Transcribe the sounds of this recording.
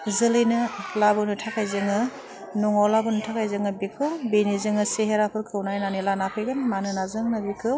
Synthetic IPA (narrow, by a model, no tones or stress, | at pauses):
zɯlɯjnɯlabɯnɯtʰakʰajzɯŋɯ | nuŋɔlabuntʰakʰajzɯŋɯbikʰɯwbenizɯŋɯseɦeɾapʰɯɾkʰɯwnajnanilanapʰɯjɡɯnmanɯnazɯŋnɯbikʰɯw